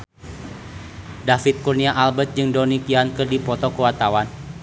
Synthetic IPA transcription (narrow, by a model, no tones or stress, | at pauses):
dafɪt̪̚kurniaʔalbət̪̚d͡ʒɨŋdɔnikiankərdipɔt̪ɔkəwat̪awan